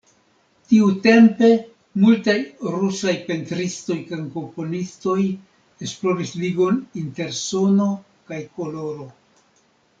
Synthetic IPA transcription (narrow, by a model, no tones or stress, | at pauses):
tiute̞mpe̞ | multajɾusajpe̞ntɾisto̞jkanko̞mpo̞nisto̞j | esplo̞ɾisliɡo̞ninte̞ɾso̞no̞ | kajko̞lo̞ɾo̞